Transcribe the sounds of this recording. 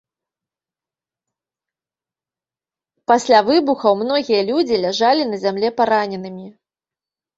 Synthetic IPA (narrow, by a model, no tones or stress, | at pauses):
pasʲlʲavɨbuxɐwmn̪ɔɣʲijɐlʲud͡zʲilʲaʐalʲinɐzʲamlʲɛpaɾanʲɛnɨmʲi